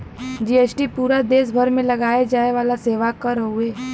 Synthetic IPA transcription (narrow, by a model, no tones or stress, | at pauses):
d͡ʒiːeːsʈipuːɾad̪eːsbʱəɾmẽlɐɡaːjed͡ʒaːeʋaːlaseːʋakəɾəɦueː